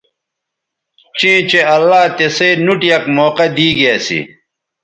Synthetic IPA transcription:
t͡ɕĩːt͡ɕeɐlːaːt̪eseːnuʈjɐkmoːqɐd̪iːɡijasḭ

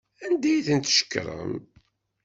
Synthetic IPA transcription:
ænd̪æjiθənt̪ʃə̥kːɾˤə̰m

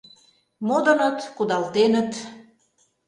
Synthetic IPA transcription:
mod̪ə̆nət̪kud̪ɑlt̪enə̆t̪

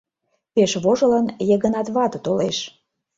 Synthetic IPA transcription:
peʃβoʒɤ̆lɑnjəɣənɑt̪βɑt̪ɤt̪oleʃ

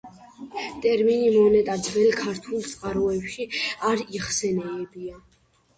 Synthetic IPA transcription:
t̪ʼɛɾminimɔnɛt̪ʼad̪zvɛlkʰaɾt̪ʰulˠt̪sʼqʼaɾɔɛpʃiaɾiχsɛnɛːbia

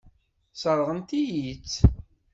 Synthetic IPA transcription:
səɾˤʁənt̪ijit͡sː

